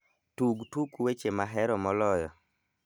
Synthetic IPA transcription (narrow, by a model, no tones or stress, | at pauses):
tuɡtukwet͡ʃemaɦɛɾɔmɔlɔjɔ̰